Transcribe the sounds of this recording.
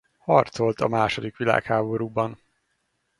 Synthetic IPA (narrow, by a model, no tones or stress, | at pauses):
hɒrt̪so̞lt̪ɒmaːʃod̪ikʋila̰ːkhaːbo̞ɾuːbɒn